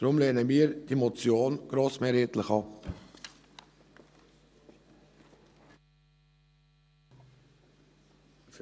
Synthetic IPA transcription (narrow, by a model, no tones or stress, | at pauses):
d̥ɾʊmleːnəmiːɾd̥iːmot͡sjoːnɡ̥ɾoːsmeːɾeːt̪ləχɑp